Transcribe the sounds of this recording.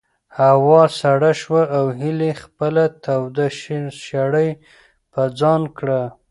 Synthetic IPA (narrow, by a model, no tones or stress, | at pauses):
hawɑsaɽaʃwaʔawɦɪlexpəlat̪ʰawd̪aʃʃaɽəj | pəd͡zɑnkɽa